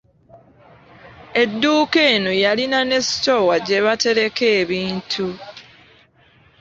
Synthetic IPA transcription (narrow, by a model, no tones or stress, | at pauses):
e̞dːuːke̞ːnujalinane̞si̥towaɟe̞βate̞ɾe̞ke̞ːβiːntʰu